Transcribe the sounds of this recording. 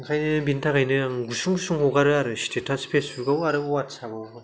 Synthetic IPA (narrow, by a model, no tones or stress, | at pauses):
ŋkʰajnɯbintʰakajnɯaŋɡusuŋɡusʰuŋhoɡaɾɯaɾɯɕi̥tʰetʰaspʰesuɾɡauaɾɯuat͡ʃʰabɔ